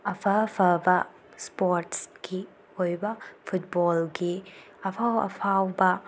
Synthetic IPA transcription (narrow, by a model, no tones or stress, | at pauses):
ɐpʰɐpʰɐbɐ | spoɾtsɡ̥i | ojbɐpʰut̚bɔlɡi | ɐpʰawɐ̰pʰawbɐ